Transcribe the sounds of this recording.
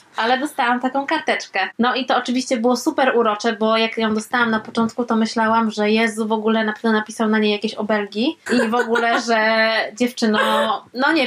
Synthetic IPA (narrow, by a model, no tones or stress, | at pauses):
ʔalɛd̪ɔst̪awamt̪akɔ̃w̃kaɾt̪ɛt͡ʂkɛnɔit̪ɔːt͡ʂɘvʲiɕt͡ɕɛbɘwɔsupɛɾuɾɔt͡ʂɛbɔjakjɔ̃w̃d̪ɔst̪awamnapɔt͡ʂɔnt̪kut̪ɔmɘɕlawamʐɛjɛzuvɔɡulɛnapɾavd̪ɛnapʲisawnaɲejakʲeɕɔbɛlɡʲiʔivɔɡulɛʐɛd͡ʑɛft͡ʂɘnɔ̃nɔɲɛ